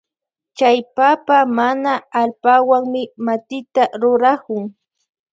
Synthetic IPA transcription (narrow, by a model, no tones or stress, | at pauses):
t͡ʃajpapamanaːlpawaŋmɪmat̪ɪt̪aɾʊɾakʊŋ